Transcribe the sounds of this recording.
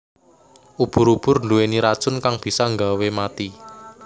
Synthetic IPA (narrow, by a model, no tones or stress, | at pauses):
ʔub̥ʊ̤ɾub̥ʊ̤rnduweniɾad̥ʒ̥ʊ̤nkaŋb̥i̤sɔŋɡawemat̪i